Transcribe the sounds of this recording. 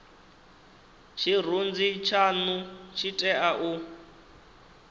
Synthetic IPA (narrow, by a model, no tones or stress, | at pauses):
t͡ʃʰir̤und͡zit͡ʃʰanut͡ʃʰitʼɛʔaʔu